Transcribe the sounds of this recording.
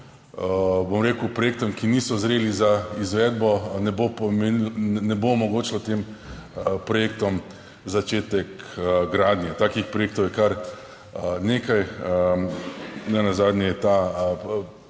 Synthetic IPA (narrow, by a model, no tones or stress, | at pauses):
bomɾeːkuʊpɾɔjeːk̚t̪ɔmkinisɔzɾeːlizaizʋɛd̪bɔnɛbopmenɛbomɔɡoːt͡ʃlɔt̪em | pɾɔjeːkt̪ɔm | zat͡ʃeːt̪ɛkɡɾaːd̪nʲjɛt̪aːkixpɾɔjek̚t̪ɔwjɛkaɾ | neːkaj | nɛnazaːd̪njɛjɛt̪a